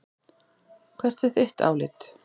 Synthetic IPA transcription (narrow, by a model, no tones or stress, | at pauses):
kʰvɛr̥t̪ɛ̥θeht̪a̰ːwlɪt̪